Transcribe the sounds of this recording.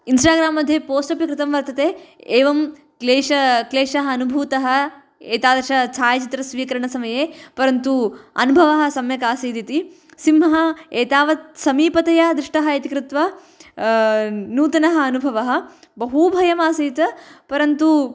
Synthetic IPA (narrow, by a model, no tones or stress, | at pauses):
insʈaːɡɾaːmːɐd̪ʱjɐpoːsʈɐpjɐkɾɪt̪ɐmʋɐɾt̪ɐt̪eːeːʋɐm | leːʃɐkleːʃɐɦɐːnubʱuːt̪ɐɦɐ̆ | eːt̪aːd̪ɐɾʃɐt͡ʃʰaːjɐt͡ʃit̪ɾɐsʋiːkɐɾɐɳɐsɐmɐjeːpɐɾɐnt̪uɐ̰nubʱɐʋɐɦɐ̆sɐmjɐkaːsiːd̪it̪i | simɐɦɐeːt̪aːʋɐt̪sɐmiːpɐt̪ɐjad̪ɾɪʂʈɐɦɐɐt̪ikɾɪt̪ʋɐ | nuːt̪ɐnɐɦɐɐnubʱɐʋɐɦɐ̆ | bɐɦubʱɐjɐmaːsiːt̪ɐpɐɾɐnt̪u